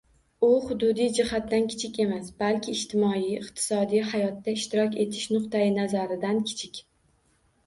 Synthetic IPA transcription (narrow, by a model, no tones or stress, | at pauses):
ʊχʊd̪ʊd̪ijd͡ʒɪhat̪ːankʲʰɪ̥t͡ʃʰɪkʲe̞masb̥alkʲʰɪːʃt̪ʰɪmɒijɪqt̪ʰɪ̥sɒd̪ijhajɒt̪ːaɪʃt̪ɪɾɒkʲe̞t̪ʰɪ̥ʃnʊqt̪ajɪnazaɾɪd̪ankʲʰɪ̥t͡ʃʰɪkʲ